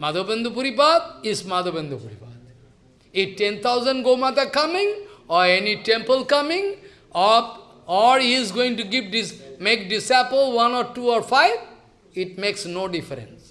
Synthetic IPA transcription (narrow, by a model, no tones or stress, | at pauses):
mad̪ʱobə̃nd̪ʱupuɾipad̪̚ismad̪ʱobə̃nd̪ʱupuɾipad̪ | iʈẽnt̪ʰaʊzə̃nɖɡomat̪akʌmɪ̃ŋɔɾeniʈẽmpəlkʌmɪ̃ŋ | ɔ | ɔlizɡoɪ̃ŋʈuɡiʋɖimek̚ɖɪsaɪpəlʋʌ̃nɔɾʈuɔɾfaɪʋ | ɪʈ̚meksnoːɖɪfəɾə̰̃ns